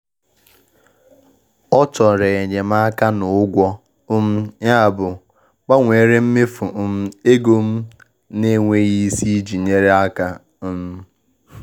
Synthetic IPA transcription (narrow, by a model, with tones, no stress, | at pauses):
ɔ˦t͡ʃɔ˨ɾe˨e˨ɲe˨m̩˦a˦ka˦nʊ˨ʊ˦ɡʷɔ˦ | ʊ˦m̩˦ɲa˦a˨bʊ˨ | k͡pa˦ŋʷe˨ɾe˦m̩˦me˦fʊ˨˦m̩˦e˦ɡo˦m̩˦ | ne˦ŋʷe˦ɣi˦si˦d͡ʒi˨ɲe˦ɾe˦a˦ka˦ | m̩˦